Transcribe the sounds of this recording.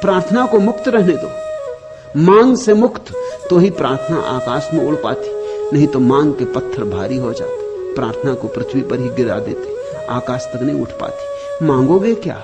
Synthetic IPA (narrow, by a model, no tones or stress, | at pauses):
pɾaːɾt̪ʰənakomʊkt̪ɾɛɦned̪o̰ː | mãːŋɡsemʊkt̪t̪oɦipɾaːɾt̪ʰəna̰ʔaːkaːʃmẽʊɽpa̰ːt̪ʰi̥nɐɦĩt̪omãːŋɡkepɐt̪ʰːəɾbʱaːɾiɦod͡ʒa̰ːt̪e | pɾaːɾt̪ʰənakopɾɪt̪ʰwipɐɾɦiɡɪɾa̰d̪ḛːt̪e | a̰ːkaːʃt̪ɐknɐɦĩʊ̰ʈʰpa̰ːt̪ʰi̥ | mãːŋɡoɡekja̰ː